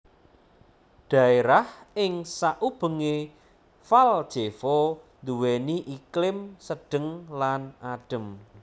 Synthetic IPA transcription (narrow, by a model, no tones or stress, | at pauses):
d̪̥ä̤eɾahɪŋsaʔub̥ə̤ŋe | fald̥ʒ̥efɔ | nd̪uweniʔiklɪmsəɖ̥əŋlanaɖ̥ə̤m